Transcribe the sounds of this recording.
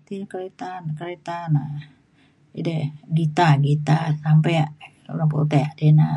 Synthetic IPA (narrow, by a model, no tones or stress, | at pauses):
t̪ikəɾet̪ankəɾet̪ana | ḭdɛɡit̪aɡit̪asampɛaʔ | ṵlaŋpo̰t̪ɛaʔdena